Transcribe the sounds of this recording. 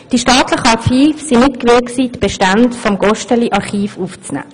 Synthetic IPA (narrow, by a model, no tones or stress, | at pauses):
d̥iʃtɑːt̪lɪχəɑχiːfsinɪtkʋɪːksiːdb̥eʃtantfɔmɡɔʃtəliʔɑɾχiːfuft͡snɛ̰ː